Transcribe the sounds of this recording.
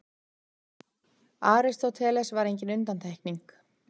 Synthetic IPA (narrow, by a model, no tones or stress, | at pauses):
aːɾɪst̪awt̪ʰɛːlɛsvaɾejɲcɪnʏnt̪ant̪ʰɛjhkniŋk